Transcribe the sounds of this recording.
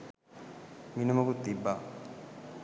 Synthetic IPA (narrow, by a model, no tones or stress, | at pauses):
minəməkut̪ːibːa